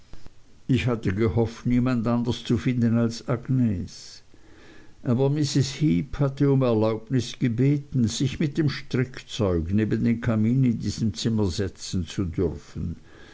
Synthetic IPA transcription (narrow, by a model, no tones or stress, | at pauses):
ɪçhatəɡehɔftniːmandʔandɐst͡sufɪndənalsaɡ̥neːs | ʔaːbɐmɪsɪshiːphatəʊmɛɐlaʊbnɪsɡ̥ebeːtn̩z̥ɪçmɪt̚d̥emʃtʁɪkt͡sɔʏɡneːbəndeːnkʰamiːnɪndiːz̥əmt͡sɪmɐzɛt͡sn̩t͡sudʏʁfən̩